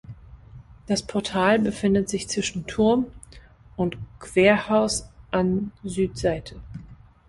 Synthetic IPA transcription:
d̥aspʰɔɐtʰaːlbəfɪndətz̥ɪçt͡sv̥ɪʃn̩tʰʊɐm | ʊntkv̥eːɐhaʊsʔanzyːtz̥aɪtʰə

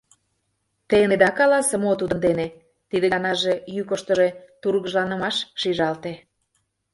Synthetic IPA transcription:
t̪ened̪ɑkɑlɑsə̆mot̪ud̪ənd̪ene | t̪id̪eɑnɑʒejykoʃt̪ə̆ʒet̪uɾɣəʒlɑnəmɑʃʃiʒɑlt̪e

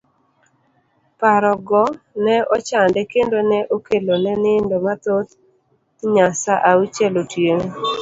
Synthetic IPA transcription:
paɾɔɡɔ | nɛɔt͡ʃandɛkendonɛʔokelonɛnɪndomat̪ot̪ | ɲasaʔaut͡ʃɛlotjeŋ

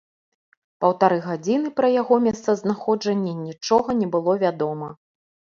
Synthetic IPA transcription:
pɐwt̪aɾɨɣad͡zʲinɨpɾɐjaɣɔmʲɛst̪sɐznaxɔd͡ʐɐnʲːɛnʲit͡ʂɔɣɐnʲɛbɨlˠɔvʲad̪ɔmɐ

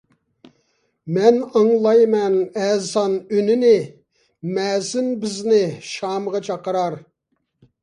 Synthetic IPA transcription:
mɛnɑŋlˠɑjmɛnɛːzɑnynɪnɪ | mɛːzɪnbɪznɪʃɑːmʁɑt͡ʃʰɑqəɾɑɾ

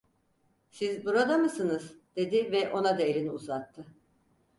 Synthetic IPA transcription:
sizbuɾad̪amɯsɯnɯzd̪̥e̞d̪ivɛʔo̞nad̪aelʲiniuzat̪ʰːɯ

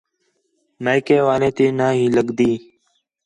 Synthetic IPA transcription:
naːjkeːʋaːlẽːt̪eːnãːɦĩːləɡd̪iː

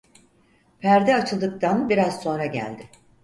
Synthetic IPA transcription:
pʰæɾd̪ɛat͡ʃʰɯlˠd̪ɯk̚t̪ʰanbiɾazso̞nɾaɟæ̰lʲd̪ɪ

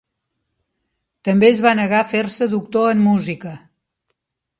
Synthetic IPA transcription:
t̪əmbeəzβanəɣafeɾsəðuk̚t̪oəmːuzikə

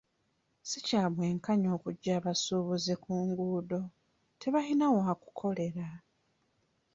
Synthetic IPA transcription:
sicaːβwe̞ːŋkaɲo̞ːkuɟːaːβasuːβuzikuːŋɡuːdo̞ | tʰe̞βahinawaːku̥kʰo̞le̞ɾa

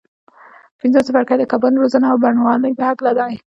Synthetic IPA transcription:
pɪnzosəfaɽkajd̪əkabənɾozanaawbaɳwɑlajpəhaklad̪ɑ

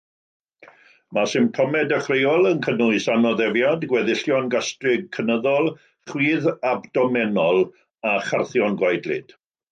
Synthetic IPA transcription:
masɪmp̚tʰɔmɛdəχreɔlˠənkʰənʊɨsanɔðɛvjadɡwɛðɪɬjɔnɡastrɪɡ̚kʰːənəðɔlˠ | χwiːðabdɔmɛnɔlˠ | aχarθjɔnɡwajdlɪ̰d̥

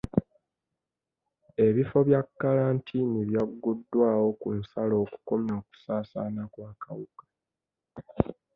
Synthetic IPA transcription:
e̞βifo̞βjakːalaːntʰiniβjaɡːudːwaːwo̞kunsalo̞ːku̥ko̞maːku̥saːsaːnakwaːkawukḁ

